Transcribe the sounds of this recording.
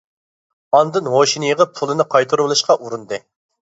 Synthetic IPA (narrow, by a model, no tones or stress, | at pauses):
ɑnd̪ɨnɦoʃinɨjəʁəp̚pʰulˠɨnɨqʰɑjt̪ʰɨɾblˠɨʃqɑʔuɾund̪ɨ